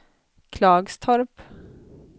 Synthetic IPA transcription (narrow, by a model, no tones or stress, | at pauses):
kʰlɑːɡst̪ʰɔɾp